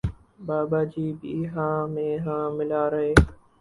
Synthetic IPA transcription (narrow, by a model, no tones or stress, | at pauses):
baːbaːd͡ʒiːbiːɦãːmẽːɦãːmɪlaːɾəɦeː